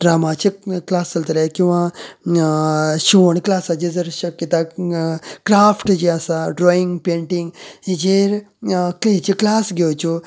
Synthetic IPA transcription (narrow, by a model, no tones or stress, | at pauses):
ɖɾamat͡ɕiklast͡səlt̪əlekĩw̃ʋa | ɕiʋəɳklasad͡ʑid͡zəɾɕəkjət̪a | kɾafʈd͡ʑiasaɖɾɔiŋɡpeɳʈiŋɡid͡ʑeɾkleɦt͡ɕiklasɡʱewt͡ɕo